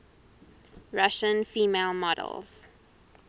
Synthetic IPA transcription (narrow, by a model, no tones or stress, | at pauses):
ɹaʃə̃nfiːmelˠmɔɾə̰lˠz̥